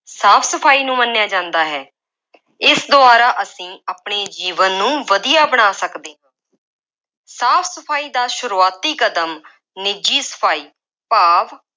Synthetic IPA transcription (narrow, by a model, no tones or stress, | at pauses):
saːpʰsəpʰaːiːnũːmənːjaːd͡ʒãːnd̪aːɦɛː | ɪsd̪ʊaːɾaːʔəsĩːaːpɳeːd͡ʒiːʋənːũːʋəd̪ɪjaːbəɽ̃aːsəkd̪ẽː | saːpʰsəpʰaːiːd̪aːʃʊɾuːaːt̪iːkəd̪əm | nɪd͡ʒiːsə̥pʰaːiː | paːʋ